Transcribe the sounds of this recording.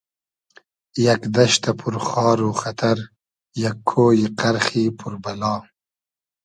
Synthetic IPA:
jakd̪ɐʃt̪apʰuɾχɑːɾuxat̪ʰaɾ | jakʰːoːjiqaɾxiːpʰuɾbalɑː

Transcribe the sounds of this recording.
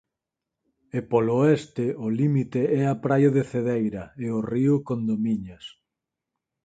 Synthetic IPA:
epoloɛst̪ɪʊlimit̪eɛapɾajoðeθeðejɾɐeoriʊkond̪omiɲas

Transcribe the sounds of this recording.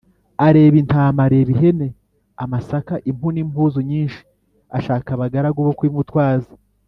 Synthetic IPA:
aɾe̞ːβintaːmaɾe̞ːβiɦe̞ne̞ | amasakaʔimhunimhuːzuɲiːnʃi̥ | aʃaːkaβaɡaɾaɡuβokwiːmutwaːzi

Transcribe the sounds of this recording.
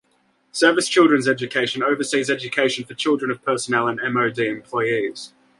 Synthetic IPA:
sɜːvɪst͡ʃʰɪlˠdɹə̃nzɛd͡ʒɨkʰeɪʃə̃nəʊvəsiːzɛd͡ʒəkʰeɪʃə̃nfət͡ʃʰɪlˠdɹə̃nəv̥pʰɜˑsənɛlˠə̃nɛ̃məʊdiːɛ̃mpʰl̥ɔɪiz̥

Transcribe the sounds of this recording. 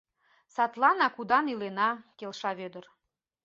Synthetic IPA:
sɑt̪lɑnɑkud̪ɑnilenɑkelʃɑβød̪ər

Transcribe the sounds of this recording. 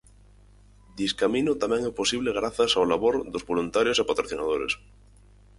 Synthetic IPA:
d̪iskaminot̪amɛ̃ŋɛposiβ̞leɣ̞ɾaθasawlaβoɾðozβolunt̪aɾjosepat̪ɾoθina̰ðoɾḛs

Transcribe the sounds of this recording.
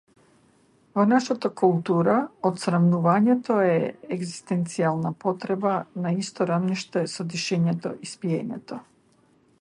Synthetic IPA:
vonaʃat̪akulˠt̪uɾaot̪sɾamnuvaɲɛt̪ɔɛɛɡzi̥st̪ɛnt̪sialˠnapɔt̪ɾɛbanaist̪ɔɾavniʃt̪ɛsɔd̪iʃɛɲɛt̪ɔ̰ʔispiɛɲɛ̰t̪ɔ

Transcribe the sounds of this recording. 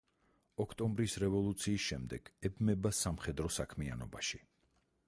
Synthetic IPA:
ɔkʰt̪ʼɔmbɾisɾɛvɔlˠut̪sʰiːsʃɛmd̪ɛɡ̥ɛbmɛbasːamχɛd̪ɾɔsakʰmia̰nɔbaʃi

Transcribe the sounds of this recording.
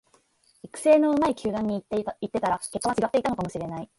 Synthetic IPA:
ikɯ̟̥se̞ːno̞ɯ̟maikʲʰɨːd̪ãɲ̟ːiit̪ːe̞t̪aɾake̞kːaβat͡ɕiɡat̪ːeit̪anokamo̞ɕiɾe̞nai

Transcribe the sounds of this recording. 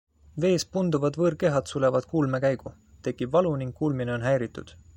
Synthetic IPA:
ve̞ːspund̪uvɑd̪vɤːɾke̞ɦɑd̪̥sule̞vɑd̪̥kuːlme̞kæjɡ̥u | t̪e̞kːˑibvɑluniŋkkːuːlmineo̞nɦæjɾit̪ːˑṵd̪̥

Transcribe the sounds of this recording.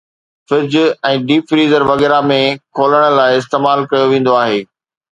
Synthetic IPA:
fɪɾd͡ʑɛ̃ːɖiːfɾiːzəɾʋɐɣɛːɾamẽkʰoːləɽ̃ə̆laːɪɪst̪eːmaːlkɐjoʋẽːn̆d̪oaːɦeː

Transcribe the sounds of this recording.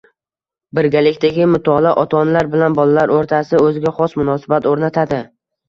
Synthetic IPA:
bɪɾɡʲalɪkʲt̪aɡʲɪmʊt̪ʰɒlaʔɒt̪ʰɒnlaɾbɪlanbɒlalaɾoɾt̪ʰasɪɵzɪɡʲaχɒsmʊnɒsɪbat̪oɾnat̪ʰad̪ɪ

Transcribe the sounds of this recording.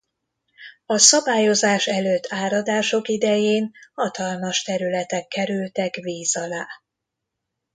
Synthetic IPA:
ɒsɒbaːjo̞zaːʃɛløːt̪ʰːaːɾɒd̪aːʃo̞kid̪ɛjeːnhɒt̪ɒlmɒʃt̪ɛɾylɛt̪ɛkːɛɾylt̪ɛkʋiːzɒlaː

